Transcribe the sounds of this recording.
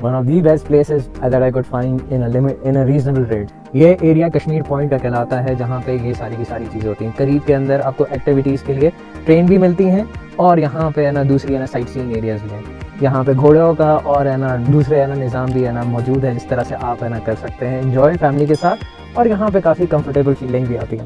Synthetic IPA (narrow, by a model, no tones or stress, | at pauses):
ʋɐ̃nɔːʋd̪ibɛsʈ̚pleːsɪzad̪ɛʈaːɪk̬ʊɖfãːɪ̃ɳɖɪ̃nəlɪmɪʈɪ̃nəɾiːznəbəlɾẽːɖ | jeʔeːɽijakɐʃmiːɾpɔ̃ːɪ̃ɳʈkakɪlaːt̪aɦɛd͡ʒɐɦãpejesaːɾibʱisaːɾit͡ʃiːzẽɦoːt̪iɦɛ̃kɐɾiːb̚keɐ̃nd̪əɾaːp̚koʔɛːk̚ʈɪʋɪʈiːzkelie | ʈɾeːnbʱimɪlt̪iɦɛ̃ | ɔːɾjɐɦãpeɛːnad̪uːsɾiɛːnasaːɪʈsĩːŋeːɾijazbʱiɦɛ̃ː | jɐɦãpeɡʱoːɽaõkaʔɔːɾɛːnad̪uːsɾeɛːnanɪzaːmbʱiɛːnamɔːd͡ʒuːd̪ɦɛd͡ʒɪst̪ɐɾəseʔaːpɦɛːnakɐɾsɐk̚t̪eɦɛ̃ɪ̃ɲd͡ʒɔːɪfɛːmlikesaːt̪ʰ | ɔːɾjɐɦãp̬ekaːfikɐ̃mfəɾʈeːbəlfiːlɖɪ̃ŋɡbʱiaːt̪iɦɛ̃ː